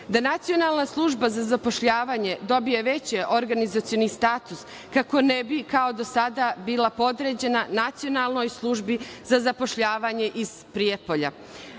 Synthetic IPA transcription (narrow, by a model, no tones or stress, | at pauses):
d̪anat̪sijo̞nalˠnaslˠuʒbazazapo̞ʃʎaːʋaːɲe̞d̪o̞bije̞ʋe̞t͡ɕeʔo̞ɾɡanizat̪sijo̞nist̪aːt̪us | kako̞nebikao̞d̪o̞sad̪abiːlˠapo̞d̪ɾe̞d͡ʑe̞nanat̪sijonalˠno̞jslˠuʒbizazapo̞ʃʎaːʋaɲe̞ʔiz̥pɾiepo̞ʎa̰